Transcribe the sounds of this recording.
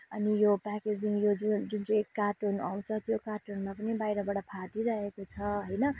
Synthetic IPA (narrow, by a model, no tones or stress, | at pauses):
ʌnijopaked͡ziŋjod͡zud͡zunt͡sʌjkarʈona̰w̃t͡sʰʌt̪jokarʈonmapʌnibajɾʌbaɽʌpʰaʈiɾʌɦekot͡sʰʌɦojnʌ